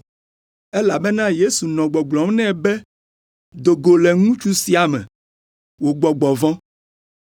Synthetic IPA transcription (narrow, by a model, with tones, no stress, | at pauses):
ɛ˦la˨be˦nã˦je˦su˨nɔ̃˨ɡ͡bɔ˨ɡ͡blɔ̃˨m˦nɛ̃˦˨bɛ˦ | d̪o˨ɡo˨lɛ˨ŋũ˦t͡ʃu˦si˨˦a˨mɛ̰̃˨ | wo˨ɡ͡bɔ˨ɡ͡bɔ˨vɔ̃˦